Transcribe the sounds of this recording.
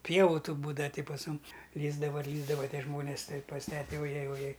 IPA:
ˈpʲiɛʋʊ tuː ˈbuːdɐʋɐ ˈtʲɪ pɐs ˈmʊm ˈlʲiːzdɐʋɐ ɪr ˈlʲiːzdɐʋɐ ˈtʲiɛ ˈʒmoːnʲeːs ˈtɐɪ pɐs ˈtʲæːtʲɛ oːˈjɛj oːˈjɛj

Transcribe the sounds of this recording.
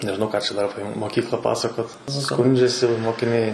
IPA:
nʲɛʒʲɪˈnɐʊ ˈkɑː t͡ʃʲɛ ˈdɐr ˈɑːpʲɛ moːˈkʲiːklˠɐ ˈpɑːsɐkoːt ˈskʊnʲd͡ʒʲɛsʲɪ moːkʲɪˈnʲɛɪ

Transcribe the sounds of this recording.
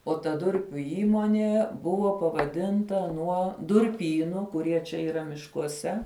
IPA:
oː tɐ ˈdʊrʲpʲʊ ˈiːmoːnʲeː ˈbʊʋoː pɐʋɐˈdʲɪntɐ ˈnuɔ dʊrʲˈpʲiːnʊ kʊˈrʲiɛ t͡ʃʲɛ iːˈrɐ mʲɪʃkuɔˈsʲɛ

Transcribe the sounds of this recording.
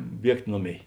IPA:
ˈbʲiɛktʲ ˈnoːˌmʲeːɪ

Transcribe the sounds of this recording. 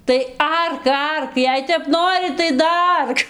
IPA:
tɐɪ ˈɐrk ˈɐrk ˈjɛɪ tʲɛp ˈnoːrʲɪ tɐɪ dɐˈɐrk

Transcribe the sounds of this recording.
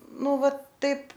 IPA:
ˈnʊ ˈʋɐ ˈtɐɪp

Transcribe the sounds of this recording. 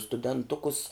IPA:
stʊdʲɛnˈtʊkʊs

